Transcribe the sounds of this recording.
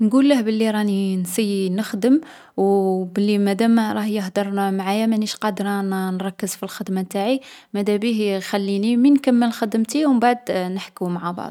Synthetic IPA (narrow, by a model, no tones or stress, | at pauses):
nɡulːəhbəlːiɾˤɑninsinəxd̪əm | wbəlːimæd̪æmɾˤɑhjəɦd̪əɾˤmʕajamæniʃqɑd̪ɾˤnnɾˤɑkːəzfilxəd̪mat̪aʕimæd̪æbihxælːiniminkæmːəlxəd̪əmt̪iwmbaʕd̪nəħkumaʕabɑ̰ʕd̪ˤ